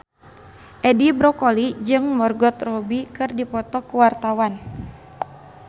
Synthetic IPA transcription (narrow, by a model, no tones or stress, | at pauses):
ʔɛdibɾɔkɔlid͡ʒɨŋmɔrɡɔt̪rɔbikɨrdipɔt̪ɔkuwart̪awan